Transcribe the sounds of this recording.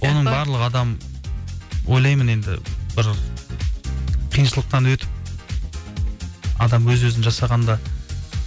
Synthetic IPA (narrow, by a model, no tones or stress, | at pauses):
wʔo̞nəɴbɑɾlˠəqɑd̪ɑm | wʔo̞jlˠɑjməne̞nd̪ɪ̰bɪɾ | qʰijənʃəlˠəq̚t̪ɑnwɵt̪ɪp̚ | ɑd̪ɑmwɵzwɵzɪnʒɑsɑʁɑnd̪ɑ